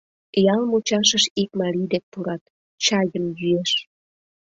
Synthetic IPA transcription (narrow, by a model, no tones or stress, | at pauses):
jɑlmut͡ɕɑʃəʃikmɑɾid̪ek̚puɾɑt̪ | t͡ɕɑjəmjyeʃ